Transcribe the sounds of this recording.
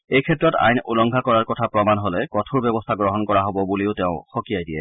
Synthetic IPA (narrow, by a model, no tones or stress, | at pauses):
ejkʰɛtːɹɔta̰jnulɔŋɡʱakɔɹaɹkɔtʰapɹɔmanɦolɛkɔtʰuɹbɛbɔstʰaɡɹɔɦɔnkɔɹaɦobɔbuliʊtɛʊ̃xokijajdijɛ̰